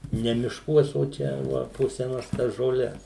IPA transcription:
ˈnʲɛ mʲɪʃˈkuɔs oː ˈt͡ʃʲɛ ʋɐ poː sʲɛˈnɐs tɐs ʒoːˈlʲɛs

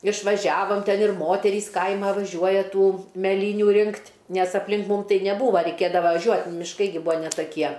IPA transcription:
ɪʃʋɐˈʒʲæːʋoːm ˈtʲɛn ɪr ˈmoːtʲɛrʲiːs ˈkɐɪmɐ ʋɐˈʒʲuɔjɛ ˈtuː mʲɛˈlʲiːnʲuː ˈrʲɪŋktʲ nʲɛs ɐpʲlʲˈɪn ˈmuːm ˈtɐɪ nʲɛˈbuːʋɐ rʲɛɪˈkʲeːdɐʋɐ ʋɐˈʒʲuɔtʲ mʲɪʃˈkɐɪ ɡʲɪ ˈbuːɐ nʲɛ tɐˈkʲiɛ

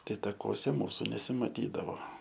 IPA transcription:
ˈtɐɪ tɐkuɔˈsʲɛ ˈmuːsʊ nʲɛsʲɪmɐˈtʲiːdɐʋoː

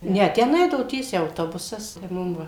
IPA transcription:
ˈnʲɛ ˈtʲɛn ˈɛɪdɐʋoː ˈtʲiɛsʲɛɪ ɐʊˈtoːbʊsɐs tɐɪ ˈmʊm ˈʋɐ

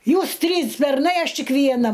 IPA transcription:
ˈjuːs ˈtʲrʲiːs bʲɛrˈnɐɪ ˈɐʃ ˈtʲɪk ʋʲiɛˈnɐ

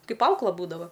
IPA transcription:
ˈkɐɪp ˈɐʊklˠɐ ˈbuːdɐʋɐ

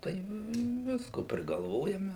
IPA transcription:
tɐɪ ˈʋʲɪskoː pʲrʲɪɡɐlˠˈʋoːjɛmʲɛ

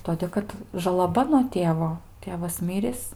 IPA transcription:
ˈtoːdʲeː kɐt ʒɐlˠɐˈbɐ nuɔ ˈtʲeːʋoː ˈtʲeːʋɐs ˈmʲɪrʲiːs

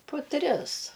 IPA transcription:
pʊ ˈtʲrʲɪs

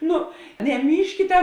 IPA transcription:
ˈnʊ nʲɛˈmʲiːʃʲkʲɪtʲɛ

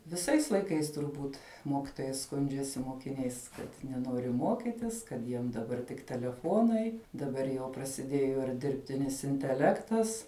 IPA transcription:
ʋʲɪˈsɐɪs lˠɐɪˈkɐɪs tʊrˈbuːt ˈmoːkʲɪtoːjɛɪ ˈskʊnʲd͡ʒʲɛsʲɪ moːkʲɪˈnʲɛɪs ˈkɐt nʲɛˈnoːrʲɪ ˈmoːkʲɪtʲɪs kɐt ˈjiɛm dɐˈbɐr tʲɪk tʲɛlʲɛˈfoːnɐɪ dɐˈbɐr jɛʊ prɐsʲɪˈdʲeːjoː ɪr dʲɪrʲpʲˈtʲɪnʲɪs ɪnʲtʲɛˈlʲæːktɐs

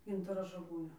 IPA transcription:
ˈɡʲɪntɐroː ʒɐˈɡuːnʲoː

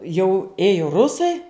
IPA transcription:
jɛʊ ˈeːjoː ˈrʊsɐɪ

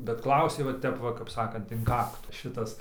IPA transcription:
bʲɛt ˈklˠɐʊsʲeː ʋɐ ˈtʲɛp ʋɐ kɐp ˈsɑːkɐnt ɪn ˈkɑːktʊ ˈʃʲɪtɐs

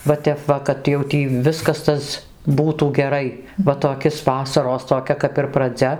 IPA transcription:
ʋɐ ˈtʲɛp ʋɐ kɐt jɛʊ ˈtʲiː ˈʋʲɪskɐs ˈtɐs ˈbuːtuː ɡʲɛˈrɐɪ ʋɐ toːˈkʲɪs ˈʋɑːsɐroːs toːˈkʲɛ kɐp ɪr prɐˈd͡zʲɛ

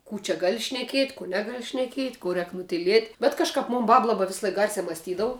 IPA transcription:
ˈkuː t͡ʃʲɛ ˈɡɑːlʲɪ ʃʲnʲɛˈkʲiɛtʲ kuː ˈnʲæːɡɐlˠ ʃʲnʲɛˈkʲiɛtʲ ˈkuː ˈrʲɛːk nʊtʲɪˈlʲiɛtʲ bʲɛt kɐʃˈkɐp ˈmʊn ˈbɐp ˈlˠɑːbɐ ˈʋʲɪslˠɐɪk ɡɐrʲsʲæː mɐsʲˈtʲiːdɐʋʊ

